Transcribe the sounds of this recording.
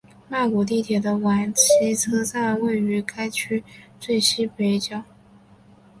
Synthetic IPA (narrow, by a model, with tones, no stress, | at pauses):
ma˥˩ku˨˩t̪̬i˥˩t̪ʰjɛ˨˩d̪ə˦wa˨˩nt͡ɕʰi˧˥t͡sʰɤ˥sa˥˧we˥˩ɪy˧˥ka˥ɪt͡ɕʰy˥t͡swe˥˩ɪɕi˥pe˧˥ɪt͡ɕjɑ˨˩˦